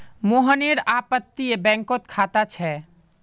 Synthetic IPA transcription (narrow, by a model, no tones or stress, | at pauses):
moɦəneɾapət̪ːiebɛ̃ŋkot̪̚kʰat̪at͡ʃʰɛ